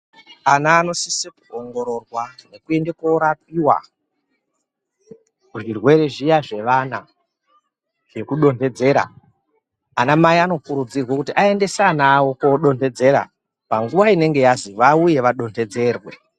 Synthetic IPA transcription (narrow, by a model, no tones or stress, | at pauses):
anaːno̞sisekuoŋɡo̞ɾo̞rwane̞kue̞ndekoɾap̚iwa̰ | kuʐirwe̞ɾe̞ʐijaʐe̞ʋana | ʐe̞kuɗo̞nde̞d͡ze̞ːɾa̰ː | namaiano̞kuɾud͡zirwakutiʔae̞nde̞sanaːwo̞koɗo̞nde̞d͡ze̞ɾa̰ | paŋɡuʋaine̞ŋɡe̞jaziʋauje̞ʋaɗo̞nde̞d͡ze̞ːrwe̞